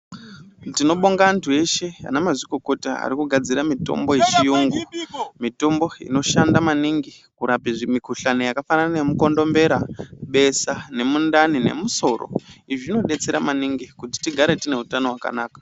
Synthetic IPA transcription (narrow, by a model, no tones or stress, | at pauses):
tino̞ɓoŋɡaːntʰue̞ʃe̞a̰namazikoko̞tia̰ɾikuɡʱad͡ziɾamito̞̰mbo̞et͡ʃijuŋɡumito̞mbo̞ḭno̞ʃandamaniŋɡi | kuɾapiʐimikuɬanojakafananemuko̞ndo̞mbe̞ɾaɓe̞sane̞mundanine̞̰muso̞ro̰iʐiino̞ɗe̞t͡se̞ɾamaniŋɡikuti̥tiɡʱaɾe̞tine̞ɦutano̞ɦwaka̰naːkḁ